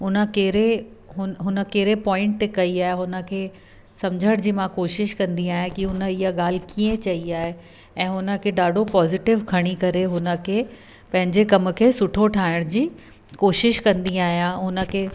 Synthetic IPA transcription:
ɦʊnə̆keːɾeɦʊɦʊnə̆keːɾepɔːɪ̃ɳʈ̚t̪ekɐiaːɦeɦʊnə̆kʰeː | sɐmd͡ʑʱəɽ̃d͡ʑiːmãkoːʃɪʃkɐ̃nd̪iaːɦekiɦʊnəɪɦaɠaːl̤ɪkiːə̃t͡ɕɐiaːɦe | ɛ̃ːɦʊnə̆kʰeːɗaːɖʱopɔːzɪʈɪʋkʰɐɽ̃ikɐɾeɦʊnə̆kʰeː | pɐ̃ɦɪ̃ɲd͡ʑekɐmʊ̆kʰeːsʊʈʰoʈʰaːɪɽ̃d͡ʑiː | koːʃɪʃkɐ̃nd̪iaːɦijãɦʊnə̆kʰeː

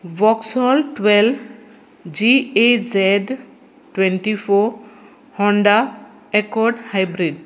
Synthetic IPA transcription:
bɔksɔlʈwɛlb | d͡ʒiezɛɖ | ʈwenʈipʰo | hɔɳɖa | ekɔɖhajbɾiɖ

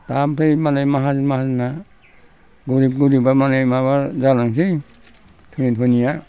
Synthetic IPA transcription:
tampʰejmanajmaɦazmaɦazina | ɡuɾib̚ɡuɾibamanajmaβaɾzalaŋs̬i | tʰunitʰunija

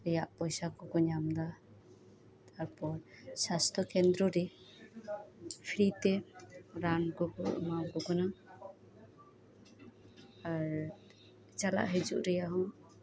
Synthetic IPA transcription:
ɛjaʔpɔjsakɔɡɔɲamd̪a | d̪aɾpɔɾsast̪ʰɔkɛnd̪ɾɔɾɛ | pʰiɾit̪ɛɾanɡɔɡɔ̰mawɡɔɡɔna | aɾ | t͡ʃala̰ʔɦɛd͡ʒṵʔɾɛjaɦɔ̃

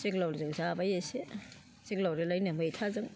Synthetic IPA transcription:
seklawɾezɯŋzabajase | seklawɾelajnamɯjtʰazɯŋ

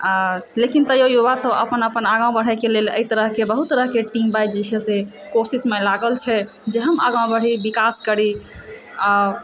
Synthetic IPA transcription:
lekint̪əjojubasəbə̰pənəpənaɡãw̃bəɽ̤ɛjkelelə̰it̪əɾəɦkebəɦut̪ːəɾəɦkeʈimbajd͡ʒit͡ʃʰese | kosismelaɡəlt͡ʃʰɛ | d͡ʒeɦəma̰ɡãw̃bəɽ̤ibikaskəɾi | a

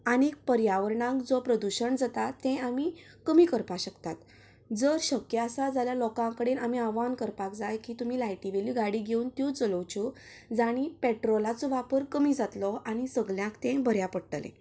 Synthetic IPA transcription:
anik̚pəɾjaʋəɾɳãŋkd͡zɔpɾəd̪uɕəɳd͡zat̪at̪ːɛ̃ami | kəmiːkəɾpaɕəkt̪at̪ | d͡zəɾɕəkjəasad͡zaljalɔkãkəɽenamiaʋankəɾpakd͡zajkiːt̪umiːlajʈiʋeljuɡaɽiɡʱeunt̪jũt͡sələwt͡ɕu | d͡zaɽ̃ipeʈɾɔlat͡sɔʋapəɾkəmid͡zat̪lɔaɽ̃isəɡljãkt̪ɛ̃bʱəɾjapəɽʈəlḛ̃

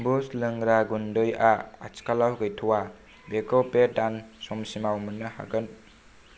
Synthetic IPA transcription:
buslɯŋɾaɡundɯjaat͡ʃkalawɡɯjtʰuwa | bekɔpedansɔmsimawmunːɯha̰ɡɯn

